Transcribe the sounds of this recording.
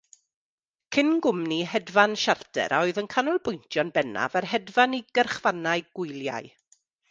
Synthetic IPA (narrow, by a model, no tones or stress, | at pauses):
kʰɪnɡʊmniɦɛdvanʃartʰɛ̰ɾʔɔɨðənkʰanʊlˠbʊjntʰjɔnbɛna̰varɦɛdvaniɡərχvanaɨɡ̥ʊjlˠja̰ɨ